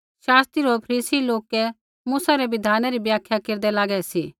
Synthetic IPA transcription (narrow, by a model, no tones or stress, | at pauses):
ʃaːst̪ɾiɾopʰɾiːsiloːkɛ | muːsaɾɛʋɪd̪ʱaːnaɾibjaːkʰjakeːɾd̪ɛlaːɡɛsiː